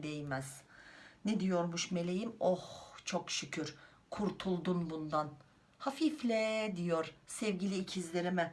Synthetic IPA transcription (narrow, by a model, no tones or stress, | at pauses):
d̪ejmɛz̥nɛd̪ijo̞ɾmuʃme̞lʲejimoht͡ʃʰokʃycʰyɾ | kʰuɾt̪ʰulˠd̪unbund̪an | hafiflʲɛd̪ijoɾ̥sɛvɟilʲiːcʰizlʲeɾimɛ